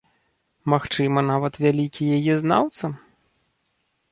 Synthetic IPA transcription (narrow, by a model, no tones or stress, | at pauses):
maxt͡ʂɨmɐnavɐt̪vʲalʲikʲijajɛzna̰wt̪sɐ